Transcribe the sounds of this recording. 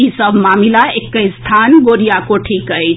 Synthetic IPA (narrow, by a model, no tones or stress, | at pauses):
isəbʱmamilaekːəjst̪ʰanɡoɾijakoʈʰikəjt͡ʃ